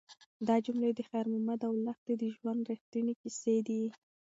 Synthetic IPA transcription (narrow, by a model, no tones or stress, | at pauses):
d̪ɑd͡ʒumled̪əxajɾmʊmad̪awlaxt̪ed̪əʒwand̪ɾixt̪ənikised̪i